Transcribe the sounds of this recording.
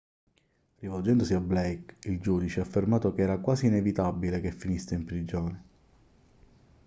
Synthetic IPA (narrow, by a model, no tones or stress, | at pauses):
rivɔld͡ʒɛnd̪osiablɛjkild͡ʒuːd̪it͡ʃeafːermaːt̪okeɛːɾakwaːsiːnevit̪abilekefːinisːeimpɾid͡ʒoːne